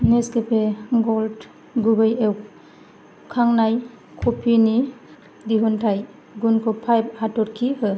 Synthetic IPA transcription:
neskepʰeɡɔld | ɡuɡɯjew | kʰaŋnaj | kʰɔpʰini | diɦuntʰaj | ɡunkʰɔpʰajp̚hatɔɾkʰihɯ

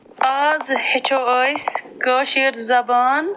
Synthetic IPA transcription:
aːzhit͡ʃʰoːəjskəːʃiɾzɐbaːn

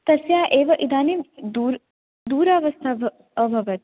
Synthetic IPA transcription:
t̪ɐsjaːʔeːʋɐʔid̪aːniʋd̪uːɾ | d̪uːɾaːʋɐst̪ʰa | ɐbʱɐʋɐt̪̚

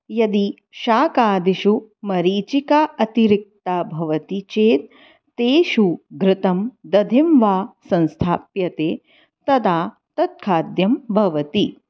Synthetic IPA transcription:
jɐd̪i | ʃaːkaːd̪iʃumɐɾiːt͡ʃikaːʔɐt̪iɾik̚t̪abʱɐʋɐt̪it͡ʃeːt̪̚ | t̪eːʃuɡɾɪt̪ɐmd̪ɐd̪ʱimʋaːsɐ̃nst̪ʰaːpjɐt̪eː | t̪ɐd̪aː | t̪ɐt̪̚kʰaːd̪jɐmbʱɐʋɐt̪i

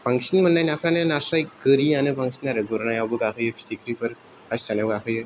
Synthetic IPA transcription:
pʰaŋsinmɯnːajnapʰɾanajanasɾajɡɯɾianɯpʰaŋsinaɾɯɡɔɾnajawbɯɡakʰɯjɯbi̥stikɾipʰɯɾ | kʰassanawɡakʰɯjɯ

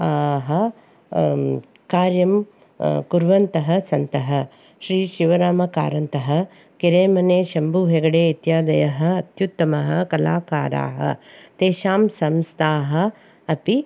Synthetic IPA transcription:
aːɦɐ | kaːɾjɐm | kuɾʋɐnt̪ɐɦɐsɐnt̪ɐɦɐ | ʃɾiːʃiʋɐɾaːmɐka̰ːɾɐnt̪ɐɦɐ̆ | kiɾeːmɐneːʃɐmbuːɦeɡɐɽeːit̪jaːd̪ɐjɐɦɐɐt̪jut̪ːɐmɐɦɐkɐlaːkaːɾa̰ːɦɐ̰t̪eːʃaːmsɐmst̪ʰaːɦɐ̆ | ɐpi

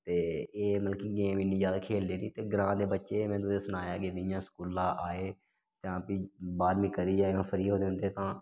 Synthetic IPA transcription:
t̪eːeːməlkiːɡeːmɪnːiːd͡ʒjaːd̪aːkʰeːld̪eːnĩːt̪eːɡɾãːd̪eːbətːʃeːmɛ̃ːd̪ʊseːsənaːjaːɡeːd̪ɪjãːsə̥kuːlãːʔaːeː | d͡ʒãːpiːbaːɾmĩːkəɾiːaːãːpʰəɾiːɦoːd̪eʊ̃nd̪eːt̪ãː

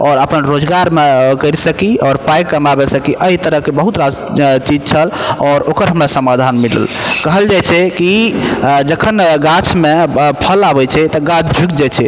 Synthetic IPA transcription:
ɔːɾəpənɾod͡ʒɡaɾmekəɾsəkiɔɾpajkːəmabesəkiʔəɦit̪əɾəɦkebəɦut̪ɾat͡ʃid͡ʒt͡ʃʰəlɔɾokəɾɦəmɾasəmad̪ʱanmilə̰lkəɦəld͡ʒajt͡ʃʰɛki | d͡ʒəkʰənɡat͡ʃʰmepʰəlabɛt͡ʃʰɛt̪əɡat͡ʃʰd͡ʒʱukd͡ʒet͡ʃʰɛ

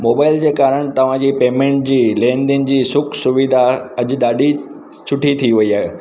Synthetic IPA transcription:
moːbaːɪld͡ʑeːkaːɾəɽ̃t̪ɐʋ̤ãd͡ʑiːpeːmẽːɳʈ̚d͡ʑiːlẽːnd̪iənɪ̆d͡ʑiːsʊkʰsʊʋid̪ʱaɐʄʊ̆ɗaːɗi | t͡ɕʰʊʈʰit̪ʰiʋɐiaːɦe

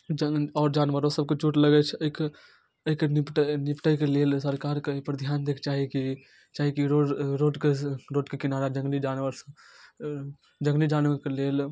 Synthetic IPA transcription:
d͡ʒəɔːɾd͡ʒaːnʋəɾosəb̚ket͡ʃuːʈləɡɛt͡ʃʰk | əikenɪpʈənɪpʈəjkeleːlsəɾkaːɾkepəɾd̪ʱjaːnd̪eːkʰt͡ʃaːɦiki | t͡ʃaːɦikiɾoɾoːʈkeɾoːʈkekɪnaːɾad͡ʒə̃ŋɡlid͡ʒaːnʋəɾs | d͡ʒə̃ŋɡlid͡ʒaːnʋəɾkeleːl

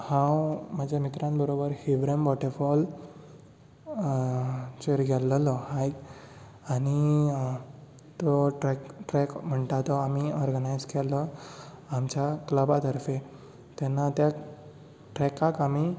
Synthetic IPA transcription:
hãwməd͡ʑʱamit̪ɾãnbəɾobəɾhibɾembɔʈefɔl | t͡ɕeɾɡʱɛlːəlɔhajk | ani | t̪ɔʈɾɛkʈɾɛkm̤əɳʈ̪at̪ɔamiɔɾɡənajd͡zkʰɛlɔ | amt͡ɕakləbat̪əɾfe | t̪ɛnːat̪ja | ʈɾɛkakami

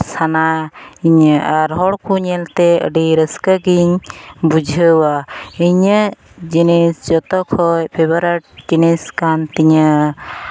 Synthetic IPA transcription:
sanaiɲəʔaɾɦɔɽkuɲɛlt̪ɛə̰ɖiɾəskəɡiɲbud͡ʒʱəwaiɲə | d͡ʒinisd͡ʒɔt̪ɔkʰɔjpʰebaɾaʈ̚d͡ʒiniskant̪iɲə

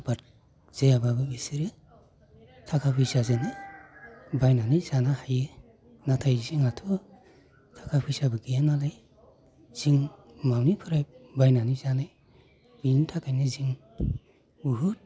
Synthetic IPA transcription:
b̥at | z̥ejababɯbisiɾɯ | tʰakʰapʰɯjsazenɯj | bajnanɯzanahajɯ | natʰajziŋatʰɔ | tʰakʰapʰɯjsabɯɡijanalaj | z̥iŋ | mawnipʰɯɾajbajnanizanɯj | bintʰakʰajnɯziŋ | buɦut̚

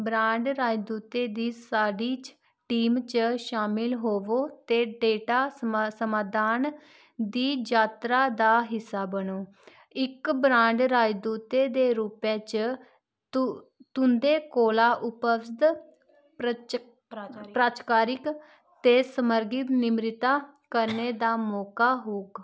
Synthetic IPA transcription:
bɾãːɳɖɾaːd͡ʒd̪uːt̪eːd̪iːsaːɖiːt͡ʃ | ʈiːmt͡ʃʃaːmɪlɦoːʋoːt̪eːɖeːʈaːsəmaːd̪aːn | d̪iːd͡ʒaːt̪ɾaːd̪aːɦɪsːaːbənoː | ɪkbɾãːɳɖɾaːd͡ʒd̪uːt̪eːd̪eːɾuːpẽːt͡ʃ | t̪ʊ̃nd̪eːkoːlaːʔʊpəsd̪ | pɾaːt͡ʃkaːɾɪk | t̪eːsəməɾɡɪt̪nɪmɾɪt̪aːkəɾneːd̪aːmɔːkaːɦoːɡ

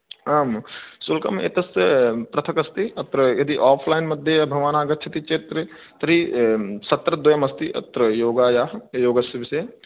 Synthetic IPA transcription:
aːmsulkɐmḛːt̪ɐspɾɐt̪ʰɐkɐst̪iɐt̪ɾɐjɐd̪iʔaːpʰlaːɪnmɐd̪ʱjejbʱɐʋaːnaːɡɐtːt͡ʃʰɐt̪it͡ʃeːt̪ɾɐ | t̪ɐɾisɐt̪ɾɐd̪ɐjɐmɐst̪iʔɐ̰t̪ːɾɐjoːɡajajoːɡɐsibʱse

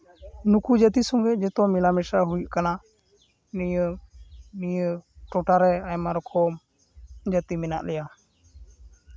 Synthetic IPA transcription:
nukud͡ʒət̪isɔŋɡɛʔ̚d͡ʒɛt̪ɔmilamɛsaɦujʔkana | nijə | nijəʈɔʈaɾɛajmaɾɔkʰɔm | d͡ʒət̪imɛna̰ʔlɛja

